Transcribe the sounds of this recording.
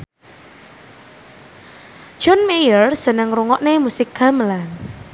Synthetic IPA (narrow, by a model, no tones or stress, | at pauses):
d͡ʒ̥ɔnmejərsənəŋɾuŋɔʔnemusɪkaməlan